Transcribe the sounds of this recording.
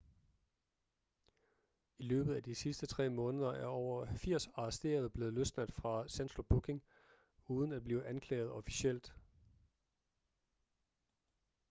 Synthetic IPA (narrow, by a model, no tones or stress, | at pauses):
ilø̰ːb̥ð̩ˠæd̥isisd̥ət͡sʰʁɛ̰ːmɔ̽ːnəð̞ˠɐʔæɐɒʊ̰ɐfiɐ̰sɑ̈ɑsd̥e̝̰ːɐð̞ˠəb̥le̝ːð̩ˠløsnæd̥fʁɑ̈sænsob̥ukʰe̝ŋ | uːð̞ˠn̩æd̥̚b̥liːʔænkʰlɛ̰ːɪð̞̩ˠɒ̽fi̥sɕel̰d̥